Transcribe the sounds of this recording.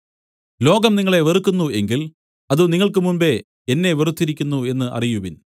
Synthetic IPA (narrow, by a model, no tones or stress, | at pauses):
lo̞ːɡɐmniŋːɐɭe̞ʋerukːunːue̞ŋɡil | ɐðuniŋːɐɭkɨmumbe̞ | enːe̞ʋerut̪ːiɾikʲːunːue̞nːɨʔɐ̰rijuʋin